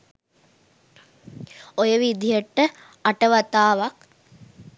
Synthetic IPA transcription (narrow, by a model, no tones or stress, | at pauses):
ojəʋid̪ʱijəʈə | aʈəʋat̪aːʋak